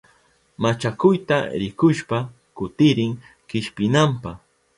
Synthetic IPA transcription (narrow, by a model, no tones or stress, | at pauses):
mat͡ʃakʊjt̪a̰ɾɪkʊʃpa | kʊt̪ɪɾɪŋ | kɪʃpɪnampah